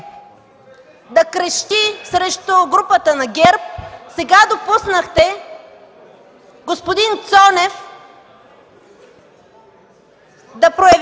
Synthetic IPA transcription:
d̪ɐkɾəʃt̪isɾɛʃt̪ʊɡɾupət̪ənɐɡʲɛɾp̚sɛɡad̪opusnəxt̪ɛ | ɡospod̪int̪sɔnɛf | d̪ɐpɾojɐv

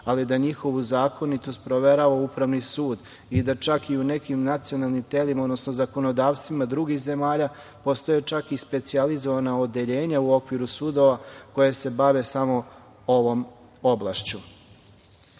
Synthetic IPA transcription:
alid̪aɲixo̞ʋuzaːko̞nit̪o̞st̪pɾo̞ʋe̞ɾaʋaupɾaʋnisuːd̪ | id̪at͡ʃakiune̞kimnat̪sio̞nalˠnimt̪elimao̞d̪no̞snozako̞no̞d̪aːʋst̪ʋimad̪ɾuɡixze̞maːʎa | po̞st̪o̞jet͡ʃakispe̞t̪sializo̞ʋanaod̪eʎe̞ːɲauo̞kʋiɾusud̪o̞ʋako̞jese̞baʋe̞samo̞ | oʋo̞m | o̞blˠaʃt͡ɕu

